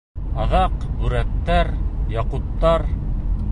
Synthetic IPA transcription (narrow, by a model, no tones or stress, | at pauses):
ɑðɑqbʉɾækt̪ːæɾjɑqutt̪ːɑɾ